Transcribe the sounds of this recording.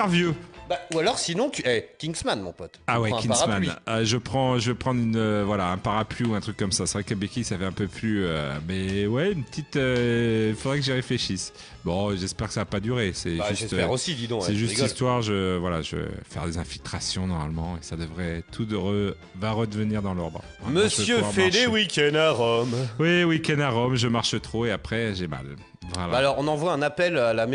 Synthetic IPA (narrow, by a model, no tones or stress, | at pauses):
ʁvjøbaualɔʁsinɔ̃t̪yɛkʲĩŋɡsmanmɔ̰̃pɔt̪awɛkĩasamaniøʒəpχɑ̃ʒəvøpχɑ̃d̪ʁynøvwalaɛ̃paʁapliuɛ̃t̪χykːɔmsasɛvʁɛkəbekʲisafɛɛ̃pøplyømɛwɛynpət̪ʰit̪øilfod̪ʁɛkəʒiʁefleʃis | bɔ̃ʒɛspɛʁkə̥savapad̪yʁesɛʒyʒɛst̪ɛʁosid̪id̪ɔ̃sɛʒyst̪ist̪waʁʒəvwalaʒə̰fɛ̰ʁd̪ezɛ̃filt̪χasjɔ̃nɔʁma̰lmɑ̃esad̪əvʁɛt̪ʰuʁə | vaʁəd̪əvəniʁd̪ɑ̃lɔʁd̪ʁə̰̃ | məsjøɔbfɛlewikʲɛ̃d̪aʁɔmwiwikʲɛ̃d̪aʁɔmʒəmaʁʃət̪χoeapχɛʒɛma̰l | vʁɛlalɔʁɔ̃nɑ̃vwaɛ̃napɛlalam